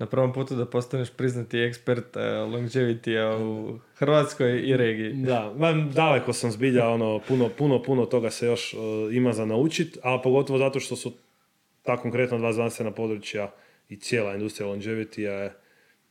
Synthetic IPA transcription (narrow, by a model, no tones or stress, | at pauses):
napɾ̩r̩ʋo̞mpuːt̪ud̪apo̞st̪aneʃpɾiznat̪iekspeɾt̪loŋɡd͡ʒeʋit̪iauxr̩ʋat̪skojiɾeːɡijid̪amad̪ale̞ko̞samzbiːʎao̞nopunopunopunod̪t̪ːo̞ɡase̞jo̞ʃimazanaut͡ʃit̪alpo̞ɡo̞t̪oʋo̞zat̪o̞ʃt̪o̞su | t̪aːko̞ŋkɾe̞t̪nod̪ʋaːzʋanst̪ʋe̞napo̞d̪ɾut͡ʃja | it̪sje̞ːlaind̪uːst̪ɾijaloŋd͡ʒeʋit̪ijaje